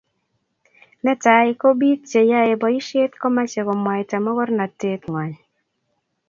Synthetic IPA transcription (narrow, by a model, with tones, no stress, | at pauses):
nɛ˦ta˨ɪ˦ko˦bi˦t̚t͡ʃe˨ja˦e˨bɔ˨i˦ʃe˦tkɔ˦ma˦t͡ʃe˨kɔ˨mwa˨ɪ˨ta˨mɔ˦kɔ˦ɾna˨te˦tŋwa˨ɲ